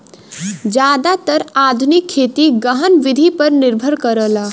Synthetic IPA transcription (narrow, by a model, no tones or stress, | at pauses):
d͡ʒaːd̪at̪əɾaːd̪ʱʊnɪkʰːeːt̪iɡəɦənʋɪd̪ʱipɐɾnɪɾbʱəɾkəɾəːlaː